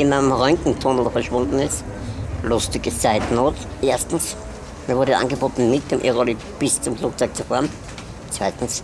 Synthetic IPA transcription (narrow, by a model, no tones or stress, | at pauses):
ɪnanəmʁœŋkŋ̩tʰoːndldəfɐʃv̥ʊndn̩ɪstlʊstɪɡət͡saɪtnoːtʔeːɐstn̩s | miɐvʊɐdəʔa̰nɡəboːtn̩mɪt̚d̥eːmʔeʁoli | b̥ɪst͡sʊmfluːk̚t͡sɔʏk̚t͡sufaːʁən | t͡sv̥aɪtn̩s